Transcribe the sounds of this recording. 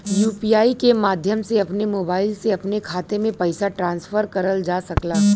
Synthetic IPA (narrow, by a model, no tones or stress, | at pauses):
juːpiaːikemaːd̪ʱjəmseɐpnemoːbaːɪlseɐpnekʰaːt̪emẽpɐɪsaʈɾãːnsfəɾkɐɾəld͡ʒaːsɐklaː